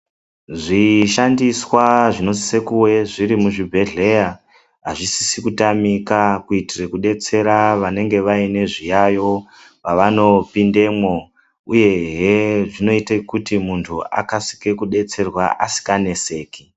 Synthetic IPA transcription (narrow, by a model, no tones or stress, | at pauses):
ʐiʃandiswaʐino̞zi̥se̞kuwe̞ʐiɾimuʐibʱe̞ɮe̞ja | ɦaʐisi̥sikutamikakuitirekuɗe̞t͡se̞ɾaʋane̞ŋɡe̞ʋaine̞ʐijajo̞ | paʋano̞pinde̞mo | uje̞ɦeʐino̞itekutimuntʰua̰kasi̥kekuɗe̞t͡se̞rwa̰ʔasi̥kane̞se̞ːki